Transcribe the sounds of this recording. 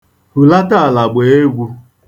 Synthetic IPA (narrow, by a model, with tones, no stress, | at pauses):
hu˨la˦ta˦a˨la˨ɡ͡be˨e˦ɡʷu˦